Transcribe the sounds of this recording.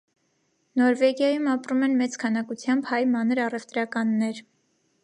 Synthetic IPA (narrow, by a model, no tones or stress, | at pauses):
nɔɾvɛɡjɑjumɑpɾumɛnmɛt͡skʰɑnɑkut͡sʰjɑmbhɑjmɑnəɾɑrɛvt̪ɾɑkɑnːɛɾ